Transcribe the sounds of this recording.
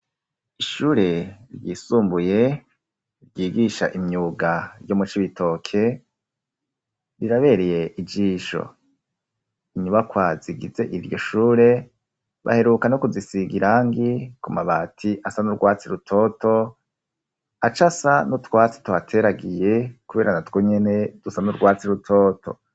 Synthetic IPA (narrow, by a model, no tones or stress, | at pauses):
iʃuːɾe̞ɾjiːsuːmbuje̞ | ɾɟiːɡiʃaʔimɲuːɡaɾjomut͡ʃiβitʰo̞kʰe̞ | ɾiɾaβe̞ɾeje̞ʔid͡ʒiːʃo̞̰ | iɲuβakwaziɡḭze̞ʔiɾjo̞ʃuːɾe̞ | βa̰he̞ɾukanokuzisiɡiɾaŋɡikumaβatʰiʔasanuɾɡwaːt͡siɾutʰo̞to̞ | at͡ʃasanotwaːt͡si̥twatʰe̞ːɾaɡije̞kuβe̞ːɾanatwoɲe̞ne̞d̥usanuɾɡwaːt͡siɾutʰoːtʰo̞̰